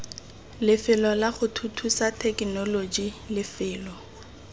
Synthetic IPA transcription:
lɪfɪlɔlaχʊtʰutʰusatʰɛknɔlod͡ʒilɪfɪːlɔ

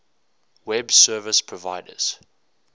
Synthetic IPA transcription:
wɛbsɜːvəspʰɹɔvaɪdə̰z̥

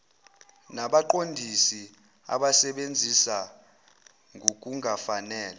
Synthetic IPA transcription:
naɓaǃondʱisi | a̰ɓasɛɓend͡zʱisa | ŋʱok̬ʼuŋʱafanɛːla

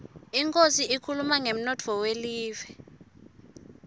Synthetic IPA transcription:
iŋkʼosiikʰulumaŋem̩nɔtʰɔweliːvɛ

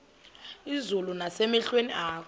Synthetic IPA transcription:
izulunasɛmɛɬweniʔaːkʰ

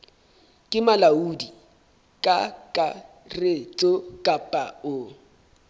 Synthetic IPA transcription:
kʼɪmalaudi | kʼakʼa | ret͡sʼokʼapʼaʊ

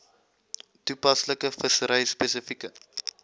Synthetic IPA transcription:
tupɐsləkəfəsəɾəjspesəfikə

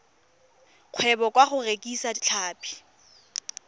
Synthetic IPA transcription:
q͡χʰwɛbɔkʼwaχʊrekʼisadit͡ɬʰaːpʼi̥

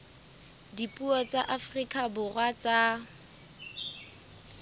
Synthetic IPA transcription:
dipʼuɔt͡sʼaʔafrikʼabʊrwat͡sʼa

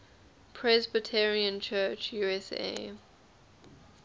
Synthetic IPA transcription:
pʰɹɛzbətʰɛɹiə̃nt͡ʃʰɜt͡ʃjuːɛsḛ

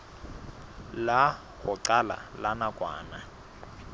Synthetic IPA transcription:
la | ɣʊǀala̰lanakʼwa̰ːna

